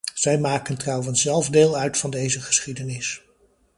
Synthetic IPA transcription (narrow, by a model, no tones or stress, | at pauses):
z̥ɛjmaːkəntrɑwənszɛlˠvdeːlˠœɥtfɑndejzəχə̥sχidənɪs